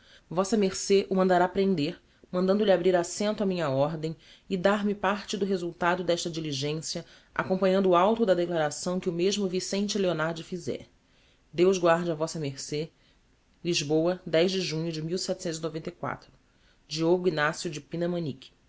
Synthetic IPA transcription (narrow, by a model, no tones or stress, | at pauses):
vɔsɐmeɾseʔʊmɐ̃nd̪aɾapɾẽnd̪eɾ | mɐ̃nd̪ɐ̃nd̪ʊlʲabɾiɾasẽnt̪ʊamĩɲɐɔɾd̪ẽj̃ | ɪd̪aɾmɪpaɾt͡ʃɪd̪ʊɦezuwt̪ad̪ʊd̪ɛʃt̪ɐd͡ʒiliʒẽsjɐ | a̰kõmpɐ̃ɲɐ̃nd̪ʊːawt̪ʊd̪ɐd̪eklaɾasɐ̃w̃kɪʊmeʒmʊvisẽnt͡ʃɪleonaɾd͡ʒɪfizɛ̰ɾ | d̪ewʒɡwaɾd͡ʒavɔsɐmeɾse | liʒbowɐd̪ɛʒd͡ʒɪʒũɲʊd͡ʒɪmiwsɛt͡ʃ̪ɪsẽt̪zinovẽnt̪ejkwa̰t̪ɾʊ | d͡ʒioɡʊinasjud͡ʒɪpĩnɐmɐ̃nikʲɪ̥